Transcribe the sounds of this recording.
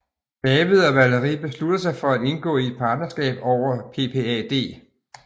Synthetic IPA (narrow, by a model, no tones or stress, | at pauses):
b̥ɛːʋiðˠɒ̽ʋæləʁiːb̥e̝slud̥ɐsɑ̈ɪfɒ̽æd̥e̝nɡ̥ɔ̰̽ːied̥̚pʰɑ̈ːd̥̚nɐsɡ̥ɛ̰ːb̥ɒʊ̰ɐpʰe̝pʰeɛːd̥e̝̰ː